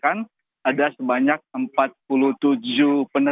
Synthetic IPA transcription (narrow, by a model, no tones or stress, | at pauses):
kan | adasəbaɲak̚əmpat̪̚pulut̪ud͡ʒupənə